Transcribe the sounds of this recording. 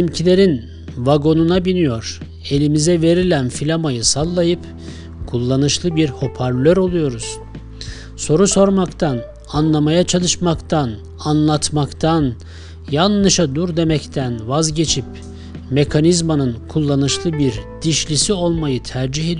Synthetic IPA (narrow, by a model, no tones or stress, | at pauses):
imcʰilʲe̞ɾin | vaɡo̞nunabinijo̞ɾ̥ | e̞lʲimizɛve̞ɾilʲænfilʲamajɯsalˠːajɯp | kʰulˠːanɯʃlˠɯbiɾho̞pʰaɾlʲøɾo̞lˠujo̞ɾuz̥ | so̞ɾuso̞ɾmakt̪ʰan | anlˠamajat͡ʃʰalˠɯʃmakt̪ʰan | anlˠat̪makt̪ʰan | janlɯʃad̪uɾd̪e̞mɛct̪ʰænvazɟe̞t͡ʃʰip̚ | me̞kʰanizmanɯnkʰulˠːanɯʃlˠɯbiɾd̪̥iʃlʲisio̞lˠmajɯt̪ʰæɾd͡ʒiɦed̪